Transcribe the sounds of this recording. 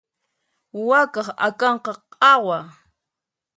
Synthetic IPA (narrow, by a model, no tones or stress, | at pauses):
wakɑχa̰kɑɴqɑqʼɑwa